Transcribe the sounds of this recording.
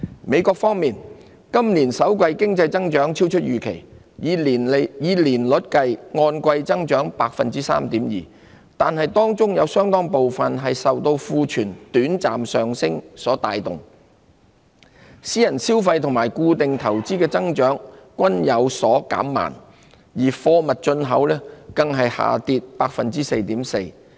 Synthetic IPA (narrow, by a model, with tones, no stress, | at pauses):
me˨˧jkʷɔː˧k̚fɔː˥ŋmiː˨n | kɐ˥mliː˨˩nsɐ˨˥wkʷɐ˧jkɪ˥ŋt͡sɐ˧jt͡sɐ˥ŋt͡ʃœː˨˥ŋt͡sʰi˥wt͡ʃʰɵ˥t̚jyː˨˩kʰḛ˨˩j | n˨jiː˨˧liː˨˩nlʊ˨˥t̚kɐ˧jŋɔː˧nkʷɐ˧jt͡sɐ˥ŋt͡ʃœː˨˥ŋpaː˧k̚fɐ˨nt͡siː˥sa̰ː˥mt̪iː˨˥mjḭː˨ | t̪aː˨nhɐ˨jt̪ɔː˥ŋt͡sʊ˥ŋjɐ˨˧wsœː˥ŋt̪ɔː˥ŋpo˨wfɐ˨nɦɐ˨jsɐ˨wt̪o˧wfuː˧t͡ʃʰyː˨˩nt̪yː˨˥nt͡saː˨msœː˨ŋsɪ˥ŋsɔː˨˥t̪aː˨˧jt̪ʊ̰˨ŋ | siː˥jɐ˨˩nsiː˥wfɐ˧jt̪ʰʊ˨˩ŋmaː˨˩jkuː˧t̪ɪ˨ŋt̪ʰɐ˨˩wt͡siː˥kɛː˧t͡sɐ˥ŋt͡ʃœː˨˥ŋkʷɐ˥njɐ˨˧wsɔː˨˥ka̰ː˨˥mːa̰ː˨˩n | jiː˨˩fɔː˧mɐ˨t̚t͡ʃɵ˧nɦɐ˨˥wlɛː˥kɐ˧ŋɦɐ˨jha̰ː˨t̪iː˧t̚paː˧k̚fɐ˨nt͡siː˥se˧jt̪iː˨˥mse˧j